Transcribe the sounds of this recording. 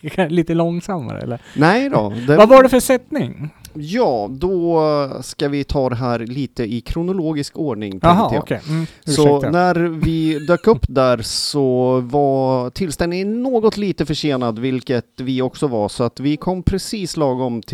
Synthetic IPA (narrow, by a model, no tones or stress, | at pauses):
aliːt̪əlɔŋsamːa̰ɾə̰ɛ̰lːənɛjd̪ɔ̰d̪ɛvavaɖɛfəsɛt̪nɪŋjɑːd̪ɔskavɪt̪ʰɑːd̪ɛɦæːɾliːt̪əɪkʰɾʊnʊloːɡɪskoːɖɳɪŋt̪ʰɛŋt̪əjɑ̰ːkːsɔnæɾvɪd̪øːkɵpːd̪æɾsɔvat̪ʰɪlst̪ɛnnɪnoːɡɔt̪liːt̪əfœʂeːnad̪vɪlkət̪vɪɔksɔvasɔat̪vɪkʰɔmːpʰɾɛsiːslɑːɡɔmt̪ʰ